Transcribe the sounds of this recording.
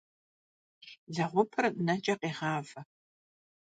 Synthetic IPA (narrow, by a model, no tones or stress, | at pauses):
zɐʁʷʊpʰɨrnɐt͡ʃʼɐqeːʁɑːvɐ